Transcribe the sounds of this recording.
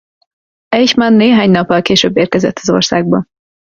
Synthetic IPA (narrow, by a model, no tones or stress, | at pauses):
ɛjʃmanːeːɦaːɲnɒpːɒlkeːʃøːbːeːrkɛzɛt̪ʰːɒzo̰rsaːɡ̚bɒ